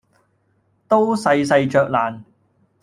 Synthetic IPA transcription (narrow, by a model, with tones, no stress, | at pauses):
t̪o˥wsɐ˧jsɐ˧jt͡ʃœː˨k̚laː˨˩n